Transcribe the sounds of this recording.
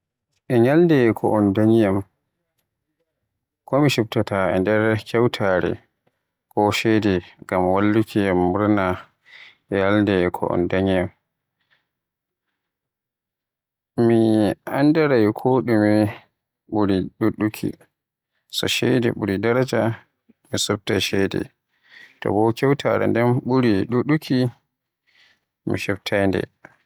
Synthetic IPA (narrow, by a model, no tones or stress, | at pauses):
ʔɛɲaldɛkʰɔʔɔndaɲijam | kɔmiʃub̚tataɛ̰ndɛɾkɛwtʰaɾɛ̰ | kɔʃɛjdɛɡamwalːukʰijamːuɾna | ʔɛjaldɛkʰɔ̰ʔɔ̰ndaɲijam | miandaɾajkʰoɗumi | ɓuɾiɗuɗːukʰḭ | sɔ̰ʃɛjdɛ̰ɓuɾidaɾad͡ʒa | misub̚taʃɛjdɛ̰ | tɔ̰bɔkʲɛwtʰaɾa̰ndɛmɓuɾiɗuɗukʰi | mḭʃɛbtʰajndɛ̰